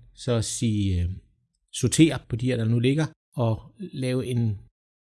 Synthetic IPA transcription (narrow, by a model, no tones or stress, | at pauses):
sɒ̽siː | sot͡sʰe̝̰ːɐpʰɒ̽d̥iɐ̰d̥ɑ̈nule̝ɡ̥ɐ | ɒ̽lɛːʊe̝n